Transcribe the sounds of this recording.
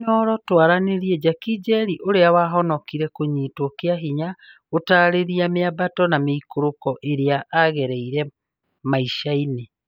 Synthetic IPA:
nɔɾɔtwaɾaneɾiɛd͡ʒakid͡ʒɛɾiʔoɾeawaɦɔnɔkiɾɛkoɲitwɔkeaɦiɲa | otaɾeɾiameabatɔnameikoɾokɔʔeɾeaʔːɣɛɾɛiɾɛ | maiʃaine

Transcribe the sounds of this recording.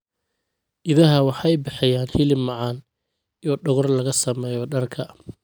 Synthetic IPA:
ʔɪðɐɦɐwɑħɑjbɪħɪjaːnhɪlɪmːɑʕɑːn | ijɔɖɔɣɔrlɐɣɐsɐmɛːjɔɖɐrkʰɐ

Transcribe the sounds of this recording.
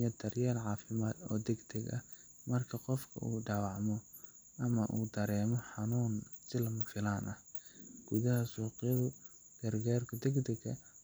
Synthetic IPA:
jɐt̪ʰɐrjɛːlʕɑːfɪmaːd̪ɔ̰ːd̪ɛɡd̪ʰɛɡɐ̰ | mɐrkʰɐqɔfkʰɐ̰ʔṵːɖɑwɑʕmɔ | ʔɐmɐʔuːd̪ɐɾɛːmɔħɑnuːnsɪlɐmɐfɪlaːnʔɐh | ɡ̥ʊðɐɦɐsuːqɪjɐðʊ | ɡ̥ɐrɡaːrkʰʊd̪ɛɡd̪ɛɡɐ̰

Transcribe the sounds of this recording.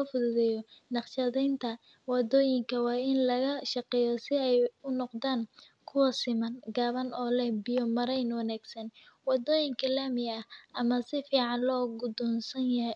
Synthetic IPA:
ɔfʊðʊðɛːjɔnɑqʃɐðɛjnt̪ʰɐ | wɑd̪ɔːjɪŋkʰɐwɑːɪnlɐɣɐʃɑqɛːjɔsɪɛjʊnɔqd̪aːn | kʰʊwɐsɪmɐnɡaːβɐnɔːlɛhbijɔmɐɾɛjnwɑnaːɡ̥sɐnwɑd̪ɔːjɪŋkʰɐlaːmɪɐhʔɐmɐsɪfiːʕɑnlɔːɡʊd̪ɔnsɐnjɐɦ

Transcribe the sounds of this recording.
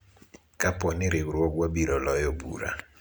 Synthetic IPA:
kapɔnɪɾɪwɾwɔɡwabiɾɔlɔjɔbṵɾa̰

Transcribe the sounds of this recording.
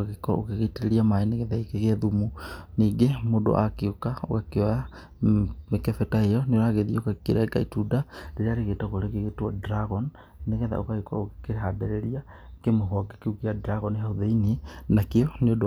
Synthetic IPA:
aɣekɔ̰okeɣeteɾeɾiamaeneɣɛðaikeɣɛðumuniːɡemodo̰ʔa̰keokao̰kakeɔa | mekɛfɛtaejɔneoɾaːɣeðiokakeɾɛɡa̰itudadeɾeaːɾeɣetaɣoɾeɣeɣetwadɾaɣɔn | neɣɛða̰o̰kaɣekɔ̰okekeɾeɦadɛɾɛɾia | kemoɦɔɡekeukiadɾaɣɔnhauðeininakeɔneodo

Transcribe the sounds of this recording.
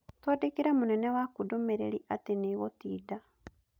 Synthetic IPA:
twadekiɾamunɛnɛwakudomeɾḛɾiʔateniɣotiːda

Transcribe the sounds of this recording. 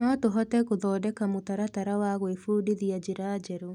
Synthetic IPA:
nɔtoɦɔtɛkoðɔːdɛkamotaɾataɾawaɣoefuːdiðiad͡ʑɪɾaːd͡ʒɛɾo

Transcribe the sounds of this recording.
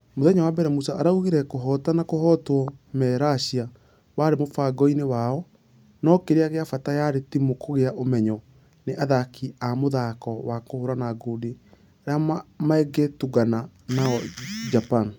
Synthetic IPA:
moðɛɲawabɛɾɛmusaaɾauɣiɾɛkoɦɔtanakohɔtwɔmɛːɾaɕia | waɾemofaɡɔinewaɔ | nɔkeɾeaɣeafatajaɾetimokoɣeaʔomɛɲɔ | neʔaðakʰiamoðakɔwakohoɾanaɡodi | aɾeamaɛɡɛtuɣananaɔd͡ʒapan

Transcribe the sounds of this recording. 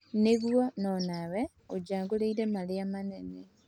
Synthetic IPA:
neɣwonɔnawe | od͡ʒaːŋɡoleiɾemaleamanene

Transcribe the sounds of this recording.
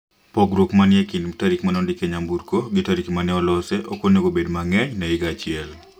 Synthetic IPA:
pɔɡɾokmanjekintaɾikmanɔndɪkeɲambuɾkoɡɪtaɾikmanɛɔlɔsɛʔokoneɡobedmaŋɛɲnɛɪɡat͡ʃɪɛl

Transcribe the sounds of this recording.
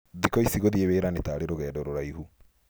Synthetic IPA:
ðikɔisiɣoðieβeːɾanetaɾeɾoɣɛːdɔɾoɾaihu

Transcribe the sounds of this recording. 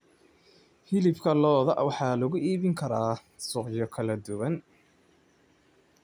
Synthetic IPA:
hɪlɪbkʰɐlɔːðɐʔwɑħɑːlɐɣʊʔiːβɪŋkʰɐɾaː | sʊqjɔkʰɐlɐd̪ʊwɐn

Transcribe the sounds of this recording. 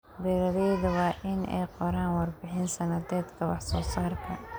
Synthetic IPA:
bɛɾɐðɛjðɐwɑːʔɪnʔɛ̰jqɔɾaːnwɑrbɪħɪnsɐnɐd̪ɛːd̪kʰɐwɑ̰ħsɔːsaːrkʰɐ

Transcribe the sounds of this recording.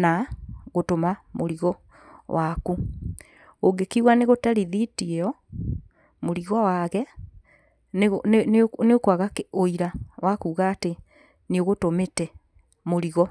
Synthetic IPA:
naɣotomamoɾiɣɔ | waku | oɡekiɣwaneɣotaɾiðitiɛɔ | moɾiɣɔwaɣɛ | n | neokwaɣakoiɾawʔakuːɣaːte | nioɣotometɛ | moɾiɣɔ

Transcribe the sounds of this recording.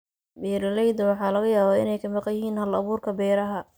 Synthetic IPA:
bɛːɾɐlɛjd̪ɐwɑħɑːlɐɣɐjaːβaːɪ̰nɛjkʰɐmɑqɑjɪɦiːnhɐlɐβuːrkʰɐbɛːɾɐɦɐ

